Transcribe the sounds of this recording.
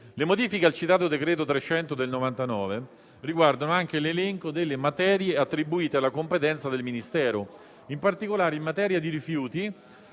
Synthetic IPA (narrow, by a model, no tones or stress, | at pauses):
lemod̪iːfikealt͡ʃit̪aːt̪od̪ekɾɛːt̪ot̪ɾet͡ʃːɛnt̪od̪elnovant̪anɔːve | riɡward̪anoaŋk̟elelɛŋkod̪elːemat̪ɛːɾjeat̪ːɾibuiːt̪ealːakompet̪ɛnt̪sad̪elminist̪ɛːɾo | impart̪ikolaːɾeimmːat̪ɛːɾjad̪iɾifjuːt̪i